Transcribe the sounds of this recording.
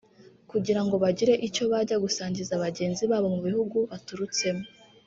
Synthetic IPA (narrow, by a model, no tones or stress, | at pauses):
kuɟiɾaŋɡo̞βaɟiɾe̞ʔico̞βaɾɟaɡusaːɲɟizaβaɟe̞ːnziβaːβo̞muβihuɡuβatuɾut͡se̞mo